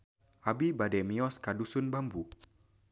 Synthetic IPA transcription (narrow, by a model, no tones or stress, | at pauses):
ʔabibadɛmiɔskadusʊnbambu